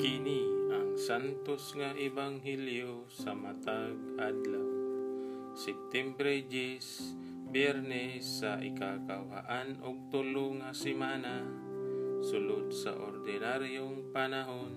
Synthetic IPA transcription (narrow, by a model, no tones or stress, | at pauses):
kiniaŋsant̪ɔsŋaʔebaŋɦilio | samat̪aɡadlaw | sɛp̚t̪ɛmbɾed͡ʒis | bɛrnɛsaḭkakawɦa̰ʔanɔk̚t̪oluŋasimana | sulud̪̚sa̰ʔɔ̰rdenaɾiuŋpanaɦun